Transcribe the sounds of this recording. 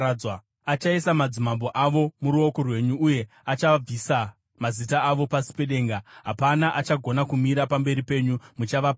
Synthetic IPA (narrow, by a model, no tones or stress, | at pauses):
a | at͡ʃaisamad͡zimambo̞ʔaʋo̞muɾuo̞korwe̞ɲuːje̞ | at͡ʃab͡visa | mazitaːʋo̞pasi̥pe̞ɗe̞ːŋɡaɦapanaʔat͡ʃaɡʱo̞nakumiɾapambe̞ɾipe̞ːɲumut͡ʃaʋap